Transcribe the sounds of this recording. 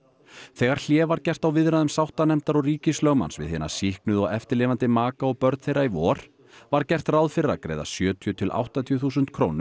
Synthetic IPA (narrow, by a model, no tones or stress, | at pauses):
θɛːɣaɾ̥l̥jɛːvaɾcɛr̥t̪awvɪðɾaðʏmsawht̪anɛm̥t̪aɾɔɣriːcɪslœɣma̰nsvɪ̰ðhɛːnḁsihknʏðɔɣɛft̪ɪɾlɪːvant̪ɪmaːkaɔɣpœɾt̪θejɾaivɔːɾ̥ | vaɾcɛr̥t̪rawðfɪɾːa̰kɾḛːjða̰sjœːt̪ʰjʏt̪ʰɪlʔa̰wht̪at̪ʰjʏθuːsʏnt̪̚kʰɾo̰ːwnʏ